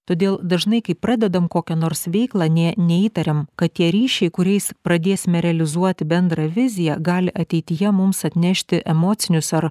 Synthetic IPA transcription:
t̪oːd̪ʲeːlˠd̪ɐʒnɐɪkɐɪpːɾɑːd̪ʲɛd̪ɐmkoːkʲɛnoːɾsʋʲɛɪklˠɑːnʲɛnʲɛiːt̪ɐɾʲɛmkɐt̪t̪ʲiɛɾʲiːʃʲɛɪkʊɾʲɛɪspɾɐd̪ʲeːsʲɪmʲɛɾʲɛɐlʲɪzuɔt̪ʲɪbʲɛnd̪ɾɐʋʲɪzʲɪjɛɡɑːlʲɪʔɐt̪ʲɛɪt̪ʲɪjɛmʊmsɐt̪ʲnʲɛʃʲt̪ʲɪʔɛmoːt̪sʲɪnʲʊsɐɾ

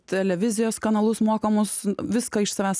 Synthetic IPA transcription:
t̪ʲɛlʲɛʋʲɪzʲɪjoːskɐnɐlˠʊsmoːkɐmʊsʋʲɪskɐɪʃsɐʋʲæːs

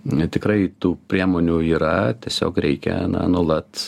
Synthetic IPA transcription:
t̪ʲɪkɾɐɪt̪uːpʲɾʲiɛmoːnʲuiːɾɐt̪ʲiɛsʲo̰ːkɾʲɛɪkʲɛ̰nɐ̰nuɔlˠɐt̪

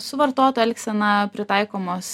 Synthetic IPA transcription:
sʊʋɐɾt̪oɔt̪oːɛlʲksʲɛnɐpʲɾʲɪt̪ɑɪkoːmoːs

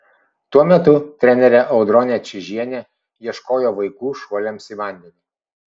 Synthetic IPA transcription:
t̪uɔmʲɛt̪ʊt̪ʲɾʲɛnʲɛɾʲɛʔɐʊd̪ɾɔnʲɛt͡ʃʲɪʒʲiɛnʲɛ | jiɛʃkoːjoːʋɐɪkuːʃuɔlʲɛmsiːʋɑˑnʲd̪ʲɛnʲɪ

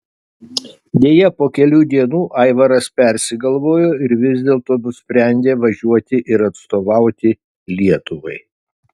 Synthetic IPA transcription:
d̪ʲeːjɛpoːkʲɛlʲuːd̪ʲiɛnuːʔɑɪʋɐɾɐspʲɛɾʲsʲɪɡɐlˠʋoːjoːɪɾʋʲɪzʲd̪ʲeːlˠt̪oːnʊsʲpʲɾʲɛˑnʲd̪ʲeːʋɐʒʲuɔt̪ʲɪʔɪɾɐt̪st̪oːʋɑˑʊt̪ʲɪ | lʲiɛt̪ʊʋɐɪ

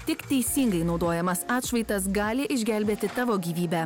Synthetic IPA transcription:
t̪ʲɪkt̪ʲɛɪsʲiːŋɡɐɪnɒʊd̪oːjɛmɐsɑːt̪ʃʋɐɪt̪ɐs̬ɡɑːlʲɪʔɪʒʲɡʲæˑlʲbʲeːt̪ʲɪt̪ɑːʋoːɡʲiːʋʲiːbʲæː

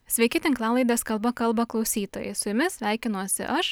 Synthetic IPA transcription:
sʲʋʲɛɪkʲɪt̪ʲɪŋklˠɑːlˠɐɪd̪ʲeːskɐlˠbɐkɐlˠbɐklˠɒʊsʲiːt̪oːjɛ̰ɪsʊjʊmʲɪsʲʋʲæˑɪkʲɪnuɔsʲɪ̰ʔɐʃ

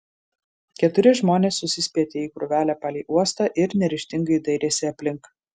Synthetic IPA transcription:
kʲɛt̪ʊɾʲɪʒmoːnʲeːsːʊsʲɪsʲpʲiɛt̪ʲeːiːkɾʊʋʲæːlʲæːpɑːlʲiːʔuɔst̪ɑːʔɪɾnʲɛɾʲɪʃʲt̪ʲɪŋɡɐɪd̪ɐɪɾʲeːsʲɪɐpʲlʲɪŋk

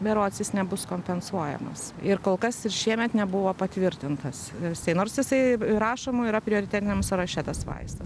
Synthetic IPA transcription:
bʲɛɾoːsʲjɪsnʲɛbʊskoːmʲpʲɛnsuɔjɛ̰mɐ̰s | ɪɾkoːlˠkɐsɪɾʃʲiɛmʲɛt̪nʲɛbʊʋoːpɐt̪ʲʋʲɪɾʲt̪ʲɪnt̪ɐssɐɪnoːɾsjɪsɐɪɾɑːʃoːmʊɪɾɐpʲɾʲɪoːɾʲɪt̪ʲæːt̪ʲɪnʲɛmsɐɾɐʃʲæt̪ɐsʋɐ̰ɪst̪ɐs

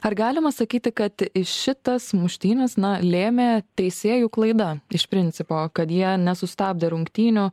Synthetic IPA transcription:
ɐrɡɑːlʲɪmɐsɐkʲiːt̪ʲɪkɐt̪ɪʃʃʲɪt̪ɐsmʊʃʲt̪ʲiːnʲɛsnɐlʲeːmʲeːt̪ʲɛɪsʲeːjuklˠɐɪd̪ɐɪʃpʲɾʲɪnʲt͡s̪ʲɪpoːkɐt̪jiɛnʲɛsʊst̪ɑːb̚ʲd̪ʲeːɾʊŋkt̪ʲiːnʲʊ

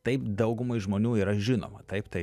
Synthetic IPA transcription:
t̪ɐɪpd̪ɐʊɡʊmɐɪʒmoːnʲuːiːɾɐʒʲɪno̰ːmɐt̪ɐɪpt̪ɐɪ

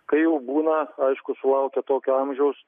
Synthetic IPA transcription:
kɐɪjɛʊbuːnɐɐɪʃkʊsʊlˠɐʊkʲɛt̪oːkʲʊɐmʲʒʲɛʊs

